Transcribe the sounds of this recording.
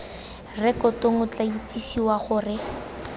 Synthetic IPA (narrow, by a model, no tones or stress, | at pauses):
rɛkɔtoŋʊt͡ɬait͡sisiwaχʊːrɪ